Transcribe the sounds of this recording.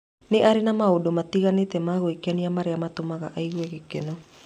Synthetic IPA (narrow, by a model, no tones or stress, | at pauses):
neʔaɾinamaodomat̪iɣanit̪emaɣoikeaniamaɾeamat̪omaɣa̰ʔaiɣueɣekeno